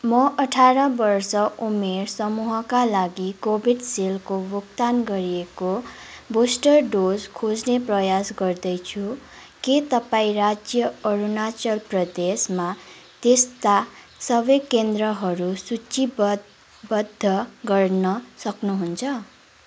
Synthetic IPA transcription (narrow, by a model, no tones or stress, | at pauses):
mʌʔʌʈʰaɾʌbʌrsʌʔumersʌmuɦʌkalaɡikobʱiɖselkobokt̪anɡʌɾiekobosʈʌrɖod͡zkʰod͡zneprʌjasɡʌrd̪ʌjt͡sʰu | ket̪ʌpaĩrad͡zjʌʌɾunat͡sʌlprʌd̪esma | t̪est̪a | sʌbʌkend̪rʌɦʌɾusut͡si | bʌd̪ʱːʌɡʌrnʌsʌknuɦunt͡sʰʌ